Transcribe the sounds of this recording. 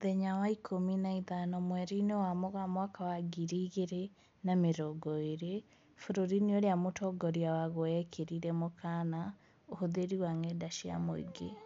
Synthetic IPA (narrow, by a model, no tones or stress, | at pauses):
ðɛɲawaikʰominaiðanɔmwɛɾinewamoɣamwakawaɡiɾiɣeɾe | nameɾɔɡɔeɾe | foɾoɾinioɾejamotʰɔɡɔɾiawaɣoɛkʰeɾiɾɛmokʰana | ohoðeɾiwaŋɛdaʃia̰mo̰ḭɡe